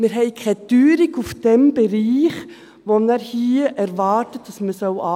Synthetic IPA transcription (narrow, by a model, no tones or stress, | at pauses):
mɪɾɦɛɪkʰɛtyːɾiɡufd̥ɛmb̥ɛɾiːχ | ʋonɛɾhiːəʔæɾvɑːtət̚d̥ɑsməsœʊɑ